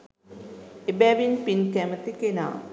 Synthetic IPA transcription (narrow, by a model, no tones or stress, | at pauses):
ebæʋinpinkæmət̪ikena̰ː